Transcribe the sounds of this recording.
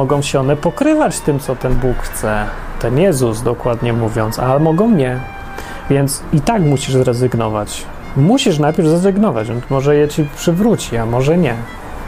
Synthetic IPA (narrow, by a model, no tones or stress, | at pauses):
ɔɡɔ̃w̃ɕɛɔnɛpɔkɾɘvat͡ɕt̪ɘmt̪sɔt̪ɛnbukxt̪sɛt̪ɛnjɛzuzd̪ɔkwad̪ɲɛmuvʲjɔnt̪sa̰lɛmɔɡɔ̃w̃ɲɛ | vʲjɛnt̪sit̪akmuɕiʐzɾɛzɘɡnɔvat͡ɕ | muɕiʂ̬najpʲjɛɾvzɾɛzɘɡnɔvad͡ʑvʲɛnsmɔʐɛjɛt͡ɕipʂɘvɾut͡ɕiamɔʐɛɲɛ